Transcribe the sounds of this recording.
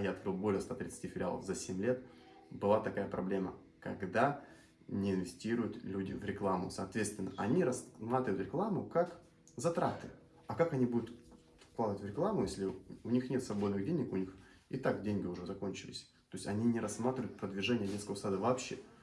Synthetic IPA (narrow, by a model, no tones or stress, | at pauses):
jaɐt̪kɾɨlˠbo̞lʲɪəst̪at̪ɾʲɪt̪sɨ̥tʲifʲɪlʲɪa̰lˠə̰fzɐsʲemʲlʲe̞t̪ | bɨlˠat̪ɐkajəpɾɐblʲe̞mə̰ | kɐɡd̪a | nʲɪɪnvʲɪsʲtʲiɾʊjʊt̪lʲudʲɪvɾʲɪklˠamʊ̰sɐːt̪vʲet̪st̪vʲɪnːəʔɐnʲiɾɐsmat̪ɾʲɪvʊt̪ɾʲɪklˠamʊkak | zɐt̪ɾat̪ɨ | ɐkakɐnʲibud̪ʊt̪ | fklˠad̪əvətʲvɾʲɪklˠamʊjesʲlʲɪʊnʲixnʲet̪svɐbo̞d̪nɨɣdʲenʲɪkʊnʲix | ɪt̪akdʲenʲɡʲɪʊʐɛzɐko̞nʲt͡ɕɪlʲɪ̰sʲ | t̪o̞jɪsʲɐnʲinʲɪɾɐsmat̪ɾʲɪvʊjʊt̪pɾəd̪vʲɪʐɛnʲɪjədʲenskəvəsad̪əvɐːpɕːḛ